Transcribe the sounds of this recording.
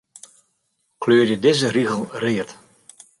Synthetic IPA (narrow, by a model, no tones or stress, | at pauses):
kʰløːrjədɪzəriɣəl̩ˠrɪət